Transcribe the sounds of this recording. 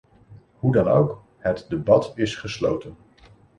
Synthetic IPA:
ɦudɑno̰wk | ɦətdəbɑtɪsχəslo̰wtən

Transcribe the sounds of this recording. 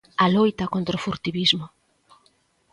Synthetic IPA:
alojt̪ɐkont̪ɾofuɾt̪iβizmʊ

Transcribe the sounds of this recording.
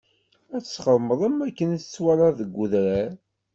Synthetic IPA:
æt͡sːə̥sχəɾˤməðˤəmækːənθə̥t͡sːwælɑðəɡʷːʊðɾæɾ

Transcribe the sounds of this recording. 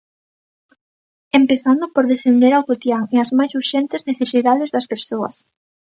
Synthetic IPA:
empeθand̪ʊpoɾðefend̪eɾawɣot̪jaŋeɐzmajsuɾʃɛnt̪ɪzneθesiðaðɪzðɐspeɾsoɐ̰s

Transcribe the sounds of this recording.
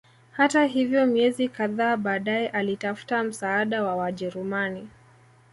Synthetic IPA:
hataɦivjɔmiɛzikaðaːɓaːɗaɛʔalitafu̥tam̩saːɗawawaʄɛɾumani

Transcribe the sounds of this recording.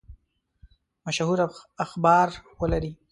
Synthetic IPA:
maʃhuɾaaxbɑːɾwəlaɾi

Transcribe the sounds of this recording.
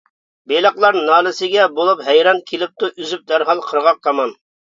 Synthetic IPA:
belˠɑqlˠɑɾnɑːlˠɪsɪɡʲɛbolˠupɦɛjɾɑnkʲʰilɪp̚t̪uʔyzyp̚d̪æɾɦɑlˠqʰəɾʁɑq̚t̪ʰɑmɑn

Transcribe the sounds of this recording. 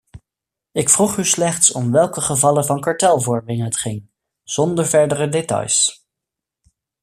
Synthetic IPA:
ɪkfruχyslɛχtsɔmʋɛlˠkəχəvɑləvɑnkɑɹtɛlˠvɔɹmɪŋɦətχɪŋ | z̥ɔndəɹvɛɹdərədetɑ̰js

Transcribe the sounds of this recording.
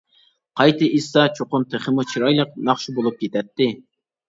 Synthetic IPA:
qʰɑjt̪ʰɨʔisːɑt͡ʃʰoqʊnt̪ʰeχəmut͡ʃʰiɾɑjlˠəq̚nɑχʃubolˠup̚kʲʰet̪ʰɛt̪ʰːɪ

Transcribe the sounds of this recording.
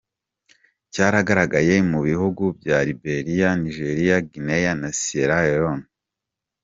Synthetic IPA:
caːɾaɡaɾaɡaje̞muβihuɡubɟaɾibe̞ɾijaniʒeɾijaɡinejanasieɾaeɾon

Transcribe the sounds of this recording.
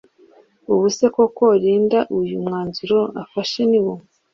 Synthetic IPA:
uβuse̞kokoɾiːndaʔujumŋaːnzuɾo̞afaʃeniβum

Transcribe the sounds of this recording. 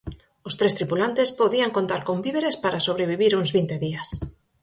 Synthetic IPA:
ost̪ɾest̪ɾipulant̪espoðiaŋkont̪aɾkombiβeɾespaɾasoβɾeβiβiɾuŋzβint̪eðias

